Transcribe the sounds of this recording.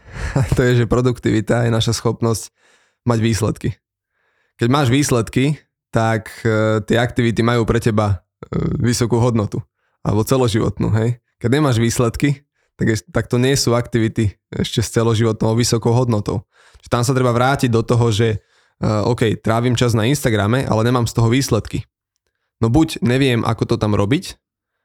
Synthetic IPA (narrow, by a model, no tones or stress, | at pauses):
t̪ɔjɛʒɛpɾɔd̪ukt̪iʋit̪ajɛnaʃasxɔpnɔsc | maɟʋiːslɛt̪ki | kɛɟmaːʒʋiːslɛt̪ki | t̪akt̪ɪɛakt̪iʋit̪imajuːpɾɛcɛba | ʋisɔkuːɦɔd̪nɔt̪u | a̰lɛ̰bɔt͡sɛlɔʒiʋɔ̰t̪nṵːɦɛj | kɛɟɲɛmaːʒʋiːslɛt̪ki | t̪aɡɛt̪ak̚t̪ɔɲɪɛsuːakt̪iʋit̪i | ɛ̰ʃcɛst͡sɛlɔʒiʋɔt̪nɔʊʋisɔkɔʊɦɔd̪nɔt̪ɔ̰ʊ | t͡ʃʒɛt̪amsat̪ɾɛbaʋɾaːciɟ̚d̪ɔt̪ɔɦɔʒɛ | ɔ̰kɛjt̪ɾaːʋimt͡ʃaznainst̪aɡɾamɛʔa̰lɛɲɛmaːmst̪ɔɦɔʋiːslɛt̪ki | nɔbuɟɲɛʋɪɛmʔa̰kɔt̪ɔt̪amɾɔbic